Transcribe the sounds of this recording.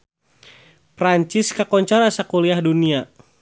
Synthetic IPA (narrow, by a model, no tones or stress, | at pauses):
pɾaɲt͡ʃɪskakɔɲt͡ʃaɾasakuliahdunia